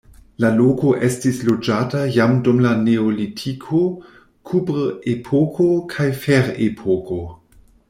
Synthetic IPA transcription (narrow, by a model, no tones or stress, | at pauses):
laloko̞ʔe̞stislod͡ʒatajamdumlaneolitʰikʰo | kʰubɾepʰokʰokʰajfeɾepʰokʰo